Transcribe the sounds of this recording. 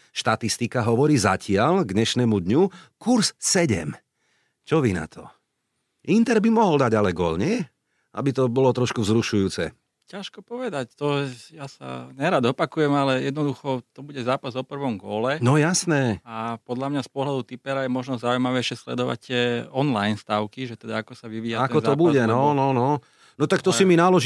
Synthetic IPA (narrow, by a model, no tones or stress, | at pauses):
ʃt̪at̪ist̪ikaɦɔʋɔɾiːzacʰɪalɡɲɛʃnɛmud̪ɲukuɾssɛɟɛ̰m | t͡ʃɔʋina̰t̪ʰɔ̰ | int̪ɛɾbimɔɦɔld̪aɟalɛɡɔlɲɛ | ʔa̰bit̪ɔbɔlɔt̪ɾɔʃkuzɾuʃujuːt͡sɛ̰ | caʃkɔpɔʋɛd̪act̪ɔjasa̰ɲɛɾad̪ɔpakujɛmalɛjɛd̪nɔd̪uxɔt̪ɔbuɟɛzaːpazɔpr̩ʋɔmɡɔlɛnɔjasnɛːapɔd̪lamɲaspɔɦlad̪ut̪ipɛɾajɛmɔʒnɔzaujmaʋɛjʃɪɛslɛ̰d̪ɔʋa̰c̚t̪ɪɛɔnlajnst̪aʊkiʒɛt̪ɛd̪aakɔsaʋiʋiaak̪kɔt̪ɔbuɟɛnɔnɔnɔ | nɔt̪akt̪ɔsiminalɔʒ